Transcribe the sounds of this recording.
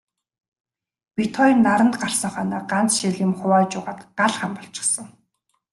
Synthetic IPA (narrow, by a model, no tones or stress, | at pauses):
pit̪ʰɔĭnːaɾə̆nt̪ɢar̥sə̆ŋχœːnaːɢant͡sʃiɮĭmχʊwaːt͡ɕʊːʁaːt̪ɢaɮχampɔɬt͡ɕɪ̥̆χsə̆ŋ